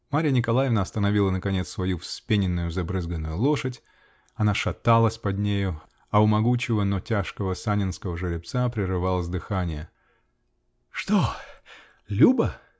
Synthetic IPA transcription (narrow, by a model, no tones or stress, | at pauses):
maɾʲɪjənʲɪkɐlˠajɪvnəɐst̪ənɐvʲilˠənəkɐnʲet̪svɐjufspʲenʲɪnːʊjʊzɐbɾɨzɡənːʊjʊlˠo̞ʂətʲ | ɐnaʂɐt̪alˠəsʲpɐd̪ʲnʲejʊ | ɐʊmɐɡut͡ɕɪvənotʲaʂkəvəsanʲɪnskəvəʐɨɾʲɪp̚t̪sapɾʲɪɾɨvalˠəzd̪ɨxanʲɪjə | ʂt̪o | lʲubə